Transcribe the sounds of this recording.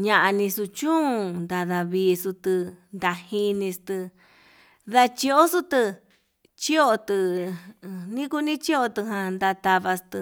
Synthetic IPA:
ɲã˧ʔa˧nĩ˧su˧t͡ʃũ˦˧nd̪a˧ða˧βiː˧su˧t̪ɨ˧nd̪a˧hĩ˧nĩ˧st̪ɨ˧ | ða˧t͡ʃi˧o˦su˦t̪ɨ˧ | t͡ʃi˦o˧t̪ɨ˧ | nĩ˦ku˦˧nĩ˦t͡ʃi˦o˧t̪ɨ˧ɦã˧nd̪a˧t̪a˧βa˧st̪ɨ˧

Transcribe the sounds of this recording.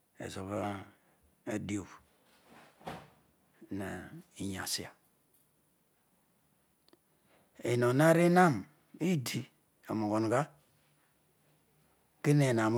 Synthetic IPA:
ḛ˨zo˨βa˦ | a˦di˦o˨p | na˨i˨ɲa̰˨si˦a˨ | e˨no˨na˦ɾi˦na˦˨m | i˦di˦ | o˨mo˨ɡo˨nɡa˦ | ke˦ne˨na˨m˦

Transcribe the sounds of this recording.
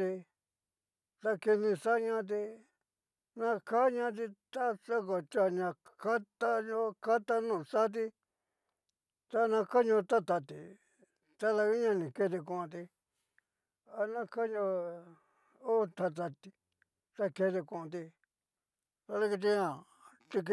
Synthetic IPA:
t̪i˧ | t̪a˧ki˧nĩ˧ʂa˦ɲã˦˧t̪̬i˧ | nã˧ka˦ɲã˧t̪̬i˧t̪a˦sa˦ko˨t͡ʃ̪a˧˨ɲã˧ | ka˦t̪a˦ɲõ˦ka˦t̪a˦nũ˦˧˨sa˦t̪̬i˧ | t̪a˦nã˧ka˦ɲõ˧t̪a˦t̪a˧t̪ḭ˨ | t̪a˦ða˧i˦ɲã˧nĩ˨ke˧˦t̪i˧kũ˧t̪i˧ | a˧nã˦ka˦ɲõ˧ | o˦t̪a˧t̪̬a˧t̪i˧ | t̪a˧ke˧t̪i˧kũ˧˨˧t̪̬i˧ | t̪a˧ða˦˧ki˧t̪̬i˧ɲã˦˨ | t̪i˧k

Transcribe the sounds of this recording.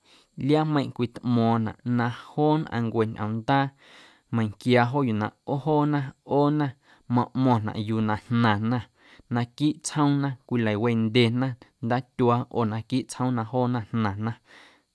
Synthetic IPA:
lja˦mə̃˧j̃ʔkʷi˧t̪ʔmɔ̃ː˨nã̰˨ʔnã˧hoː˦nʔã̰˧ŋkʷe˨ɲʔə̃˨nd̪aː˦ | mə̃˧j̃ŋkja˧ɦo˦ju˨nã̰˨ʔo˦ɦoː˦nã˦oː˦nã˦ | mɔ̃˧ʔmɔ̃˧˨nã̰˨ʔju˧˨nã˨hnã˨nã˧˨ | nã˧kiː˦ʔt͡shə̃˦w̃nã˦kʷi˧lə˨we˧˨nd̪e˨nã˦nd̪aː˦t̪ʲu˧a˧o̰ː˨nã˧kiː˦ʔt͡shə̃˦nã˧ɦoː˦nã˧nnã˨nã˦

